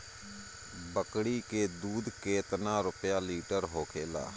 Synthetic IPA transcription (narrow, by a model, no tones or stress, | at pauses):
bəkɽiːkeːd̪uːd̪keːt̪nãːɾʊpjaːliːʈəɾɦoːkʰeːla̰ː